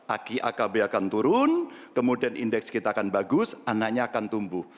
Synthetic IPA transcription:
ʔakiʔa̰kabeakant̪uɾʊnkəmudianʔindɛkskit̪aːkanbaɡʊsanaʔɲaːkant̪umbuh

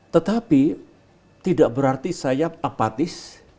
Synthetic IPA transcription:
t̪ət̪api | t̪idaʔbəɾart̪isajaapat̪ɪs

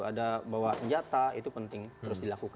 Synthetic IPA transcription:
adabawasəɲd͡ʒat̪ait̪upənt̪ɪŋt̪əɾʊsdilakuk

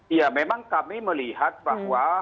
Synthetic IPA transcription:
iamɛmaŋkamiməlihat̪̚vakwa

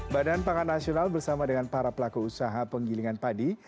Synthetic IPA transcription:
badanpakanːasionalbərsamadəŋanpaɾapəlakuusaɦapəŋɡiliŋanpadi

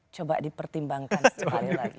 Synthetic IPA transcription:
t͡ʃoba̰ʔdipərt̪imbaŋkansəa̰lilaɡi

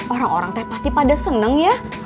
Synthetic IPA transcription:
ʔoɾaŋoɾaŋt̪ɛhpast̪ipadasənəŋja

